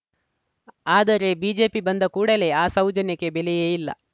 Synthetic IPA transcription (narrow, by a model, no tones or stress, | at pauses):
aːd̪ɐɾe̞biːd͡ʒe̞ːpibɐnd̪ɐkuːɽɐle̞aːsɐwd͡ʒɐnjɐke̞belɛjeːjilːɐ̰